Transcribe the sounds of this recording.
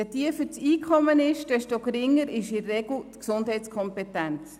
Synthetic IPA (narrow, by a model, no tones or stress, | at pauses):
ɛtiəft͡siːkʰχɔmənɪʃd̥ɛʃtokɾɪŋːəɾɪʃɪrɛɡ̥l̩tksʊndɦɛɪt͡skʰɔmpɛtɛnt͡s